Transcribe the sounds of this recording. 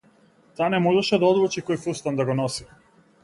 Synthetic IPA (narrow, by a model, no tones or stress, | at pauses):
t̪aːnɛmɔʒɛʃɛd̪aɔd̪vut͡ʃikɔjfust̪and̪aɡɔnɔsi